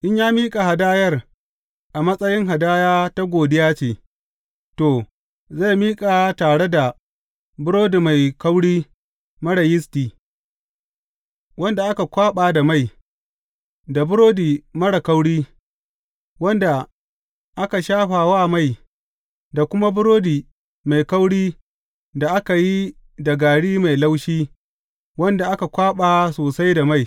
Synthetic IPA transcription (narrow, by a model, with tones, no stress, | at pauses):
ʔɪ˦ɲjaː˦miː˦kʼa˨ha˨daː˦jɐ˦r | ʔa˨mɐ˦sʼɐ˦jɪ˦ŋɦa˨daː˦jaː˦ta˦ɡʷoː˨dɪ˦jaː˦t͡ʃeː˨ | toː˨ | za˦˨jmiː˦kʼa˨taː˨ɽe˦da˨ | bʊ˦ɾoː˦di˨ma˨jkɐ˦wɽiː˦ | mɐ˦ɽɐ˨jɪ˦stiː˨ | wɐ˦nda˨ʔa˦ka˨kʷaː˦ɓaː˨da˨ma˦˨j | da˨bʊ˦ɾoː˦diː˨mɐ˦ɽa˨ka˦wɽiː˦ | wɐ˦nda˨ | ʔa˦ka˨ʃaː˦ɸaː˨wa˦ma˦˨j | da˨kʷʊ˦ma˦bʊ˦ɾoː˦diː˨ | ma˨jka˦wɽiː˦ | da˨ʔa˦ka˨ji˦ | da˨ɡaː˨ɽiː˦ma˨jla˦wʃiː˦ | wɐ˦nda˨ʔa˦ka˨kʷaː˦ɓaː˨soː˨sa˦jda˨ma˦˨j